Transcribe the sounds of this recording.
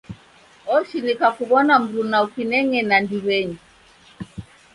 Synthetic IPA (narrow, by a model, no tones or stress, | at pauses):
ɔʃinikakuβɔnam̩ɾunaukinɛŋɛnandiβɛɲi